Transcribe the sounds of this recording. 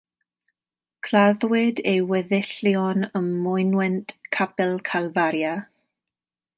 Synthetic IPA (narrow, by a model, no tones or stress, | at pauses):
kʰlaðwɪdejwɛðɪɬjɔnəmːʊjnwɛntkʰabɪlˠkʰalˠvaɾja